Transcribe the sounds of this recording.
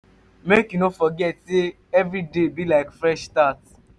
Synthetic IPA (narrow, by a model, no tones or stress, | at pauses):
mekĩnofɔɡɛtse | ɛvɾidebilaɪkfɾɛʃtat